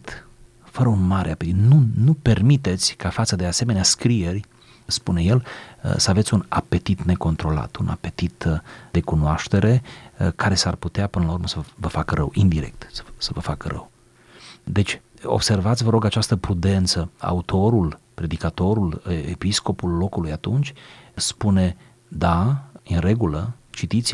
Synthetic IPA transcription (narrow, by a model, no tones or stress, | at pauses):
t̪ | fəɾəunmaɾʔeapet̪it̪nunupe̞rmit̪e̞t̪sʲkafat̪səd̪easeme̞neaskɾije̞rʲ | spune̞je̞l̰səave̞t̪sʲuna̰pe̞t̪it̪ne̞ko̞nt̪ɾo̞la̰t̪unʔa̰pe̞t̪it̪d̪e̞kunoaʃt̪e̞ɾe̞kʰaɾe̞sarput̪eapɨnəlaurɾməsəvəfakəɾʔəwind̪iɾe̞̰k̚t̪sə̥səvəfakəɾʔə̰w | d̪e̞t͡ʃʲ | o̰b̥se̞rvat̪sʲvəɾo̞ɡat͡ʃast̪əpɾud̪e̞nt̪səa̰ut̪ʰo̞ɾulpɾe̞d̪ikat̪o̞ɾulepisko̞pulːo̞kulujat̪unt͡ʃʲspune̞ | d̪aɨnre̞ɡulə | t͡ʃit̪it̪sʲ